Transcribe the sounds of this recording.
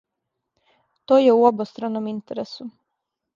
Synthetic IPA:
t̪oːjeuobost̪ɾanomint̪eɾesu

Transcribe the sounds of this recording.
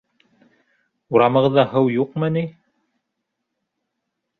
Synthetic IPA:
uɾɑmɤ̆ʁɤ̆ðːɑhɤwjuqmɤni

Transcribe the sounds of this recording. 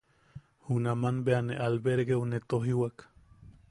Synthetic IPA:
hunamanbeaneʔalbeɾɣeunet̪oɦiwak

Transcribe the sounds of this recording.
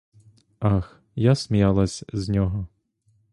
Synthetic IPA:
ɑx | jasʲmʲijɑlˠɐsʲznʲɔɦɔ

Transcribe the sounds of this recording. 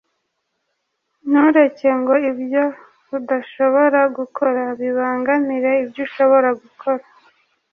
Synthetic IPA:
nuɾe̞ce̞ŋɡo̞ibjo̞ | βudaʃo̞βo̞ɾaɡukʰoɾaβiβaːŋɡaniɾe̞ibjuʃo̞βo̞ɾaɡukʰo̞ɾa

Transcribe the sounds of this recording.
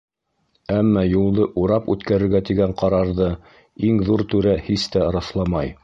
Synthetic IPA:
æmːɑjulˠd̪ɤʔuɾɑpʉt̪kæɾɘ̆ɾɡæt̪iɡæɴqɑɾɑɾðɤ | iŋðuɾt̪ʉɾæhist̪æɾɑslˠɑmɑj

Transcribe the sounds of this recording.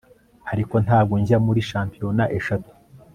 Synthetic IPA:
haɾiko̞nthaːb̚ɡoɲzamuɾiʃaːmpiɾo̞naʔe̞ʃatu̥

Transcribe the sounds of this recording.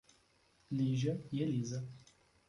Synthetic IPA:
liʒɐjɛliːzɐ

